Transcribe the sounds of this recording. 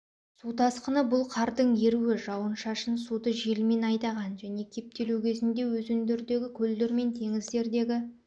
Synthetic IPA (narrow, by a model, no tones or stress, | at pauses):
sut̪ʰɑsqənəbʊlˠqʰɑɾd̪əɴje̞ɾuwɪʒɑwənʃɑʃənsud̪əʒe̞lme̞nɑjt̪ɑʁɑnʒæne̞kʲʰe̞p̚t̪e̞luwkʲʰe̞zɪnd̪e̞wɵzʏnd̪eɾd̪e̞ɡʲɪkʲʰɵld̪eɾme̞nt̪ʰe̞ŋɪzd̪e̞ɾd̪e̞ɡʲɪ